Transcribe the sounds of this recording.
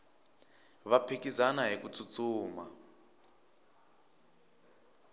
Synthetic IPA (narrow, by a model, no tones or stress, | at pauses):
βapʰekizanaɦikut͡sʰut͡suːma